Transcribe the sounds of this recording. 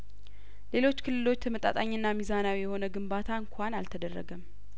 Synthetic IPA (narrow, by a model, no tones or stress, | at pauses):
le̞lo̞t͡ʃːkʰɨlːɨlo̞t͡ʃːt̪ʰəmət̪ʼa̰t̪ʼaɲːɨnːamizanawijɛho̞nəɡɨmbat̪ʰaɨŋkʷʰanalt̪ʰəd̪ərːə̰ɡəm